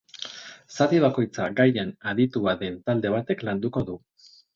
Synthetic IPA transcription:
sat̪iβ̞ako̞jt͡saɡajenaðit̪uaðe̞nt̪ald̪e̞β̞at̪e̞kland̪uko̞ðu

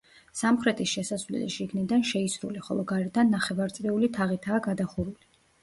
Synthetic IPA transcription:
samχɾɛt̪ʰisʃɛsasvlɛ̰liʃiɡnid̪anʃɛisɾṵliχɔ̰lˠɔɡaɾɛd̪anːaχɛvaɾt̪sʼɾɛulit̪ʰaʁit̪ʰaːɡad̪aχuɾuli

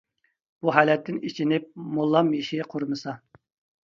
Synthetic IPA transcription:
b̥uɦæːlɛt̪ːɪnit͡ʃʰinɪp̚molˠːɑmjiʃiqʰoɾmɨsɑ

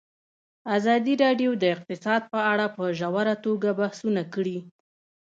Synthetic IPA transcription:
azɑd̪iɾɑɖjod̪əɪq̚t̪ɪsɑd̪̚pəaɽapəʒawaɾat̪oɡabahsunakəɽi

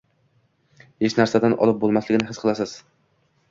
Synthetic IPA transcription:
het͡ʃnaɾsad̪anʔɒ̰lɪp̚bolˠmaslɪɡʲɪnɪɦɪsqʰɨlˠasɪz̥

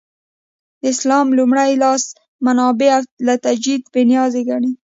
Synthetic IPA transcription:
ɪslɑmlumɽajlɑs | manɑbealat̪ad͡ʒid̪penjɑzeɡaɳi

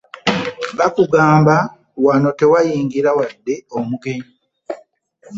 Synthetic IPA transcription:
ɡakuɡaːmba | wano̞te̞wajiːŋɡiɾawadːe̞omuke

